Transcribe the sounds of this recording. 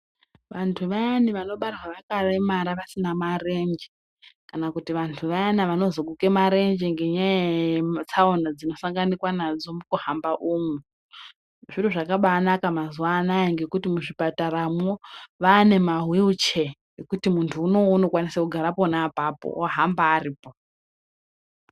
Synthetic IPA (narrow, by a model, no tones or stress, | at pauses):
ʋantʰuʋajaniʋano̞ɓarwaʋakaremaɾaʋasinamare̞ɲd͡ʒe | kanakutiʋantʰuʋajanaʋano̞zo̞ɡuke̞maɾe̞ɲd͡ʒeŋɡe̞ɲajet͡sʰaonad͡zino̞saŋɡanikwanad͡zo̞mukuhambaʔuːmu | ʐiroʐakaɓaːnakamazuwanajeŋɡe̞kutimuʐipataɾamoʋaːne̞maɦwiut͡ʃe | ekutimuntʰuːno̞uno̞kwanisakuɡʱaɾaponapapo̰oɦambaːriːpo